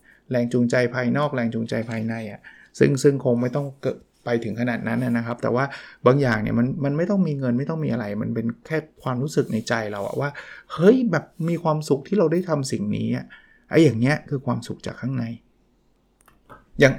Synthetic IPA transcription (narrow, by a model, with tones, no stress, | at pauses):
ɾɛː˧ŋt͡ɕu˧ŋt͡ɕa˧jpʰaː˧jnɔː˥˩k̚lɛː˧ŋt͡ɕu˧ŋt͡ɕa˧jpʰaː˧jna˧jʔa˨˩ʔ | sɯ̰˥˩ŋsɯ˥˩ŋkʰo˧ŋma˥˩jt̪ɔ˥˩ŋkɤː˨˩t̚ | pa˧jt̪ʰɯ˩˦ŋkʰa˧naː˨˩t̪̚na˦˥nːʔa˨˩na˦˥kʰp̚t̪ɛ̰ː˨˩waː˥˩baː˧ŋjaː˨˩ŋnḭ˥˩ma˧nma˧nma˥˩jt̪ɔ˥˩ŋmiː˧ŋɤ˧nma˥˩jt̪ɔ˥˩miː˧ʔa˧ɾa˧jma̰˧npe˧nkʰɛː˥˩kʰwaː˧mɾuː˦˥sɯ˨˩k̚na˧jt͡ɕa˧jɾa˧wʔa̰˨˩waː˥˩hɤ˦˥jbɛː˨˩p̚miː˧kʰwaː˧msu˨˩k̚t̪ʰiː˥˩ɾa˧wda˥˩jt̪ʰa˧msi˨˩ŋnḭː˦˥ʔa˨˩ | ʔa̰˧jːaː˨˩ŋni˦˥ɐkʰɯː˧kʰwaː˧msu˨˩k̚t͡ɕaː˨˩kʰːaː˥˩ŋna˧j | jaː˨˩ŋ